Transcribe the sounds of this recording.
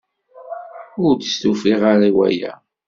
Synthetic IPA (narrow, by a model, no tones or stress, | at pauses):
ʊɾd̪st̪ufiʁaɾiwæ̰jæ̰